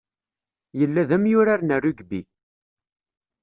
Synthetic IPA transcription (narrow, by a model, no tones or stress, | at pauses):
jəlːæðæmjʊɾaɾnærːuɡbḭ